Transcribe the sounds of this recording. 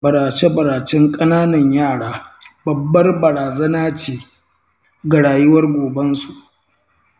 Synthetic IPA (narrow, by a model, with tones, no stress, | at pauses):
bɐ˨ɾaː˨t͡ʃe˦bɐ˨ɾaː˨t͡ʃɛ˦ŋkʼɐ˦naː˦nɐ˨ɲjaː˦˨ɽaː˦bɐ˨bːɐ˦rbɐ˨ɾaː˨zɐ˦naː˦t͡ʃeː˨ | ɡɐ˨ɽaː˨jʊ˦wɐ˦rɡʷoː˨bɐ˦nsu˨ʔ